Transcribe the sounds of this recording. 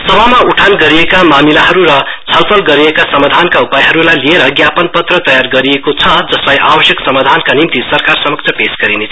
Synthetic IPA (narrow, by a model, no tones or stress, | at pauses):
sʌbamauʈʰanɡʌɾiekamamilaɦʌɾuɾʌt͡sʰʌlpʰʌlɡʌɾiekasʌmad̪ʱankaupajɦʌɾulajlieɾʌɡjapʌnpʌt̪rʌt̪ʌjarɡʌɾiekot͡sʰʌd͡zʌslajʔabʌsjʌksʌmad̪ʱankanimt̪isʌɾkarsʌmʌkt͡sʰʌpesɡʌɾinet͡sʰ